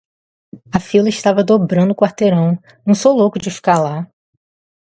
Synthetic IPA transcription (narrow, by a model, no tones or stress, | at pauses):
ɐfilɐɪʃt̪avɐd̪obɾɐ̃nd̪ʊːkwaɾt̪eɾɐ̃w̃ | nɐ̃w̃sowlokʊd͡ʒɪfi̥kaɾla